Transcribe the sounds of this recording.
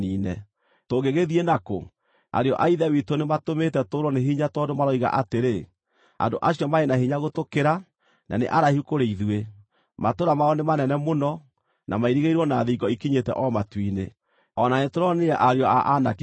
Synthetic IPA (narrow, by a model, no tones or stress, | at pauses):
iːnɛ̰ | toɣeɣeðienako̰ | a̰ɾeɔ̰ʔaiðɛwitonematometɛtoɾwɔneɦiɲatɔdomaɾɔiɣa̰ʔateɾe | a̰ndoʔaɕiɔmaenaɦiɲaɣotokeɾa | nʔa̰nḛʔaɾahukoɾeiðwe | matoɾamaɔnemanɛnɛmonɔ | nʔamaiɾiɣeiɾwɔnaðiɡɔikiɲetɛ̰ʔɔmatwine | ɔnanetoɾɔneɛʔaɾeɔa̰ʔanak